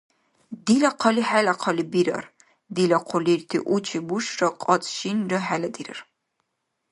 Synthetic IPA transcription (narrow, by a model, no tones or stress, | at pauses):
d̪ilaqʰɐliħalaqʰɐlibiɾɐ̰r | d̪ilɐqʰʷʊlirtʰḭʔut͡ʃʰibuʃrɐqʼɑt͡sʼʃinrɐħalɐd̪iɾɐ̰r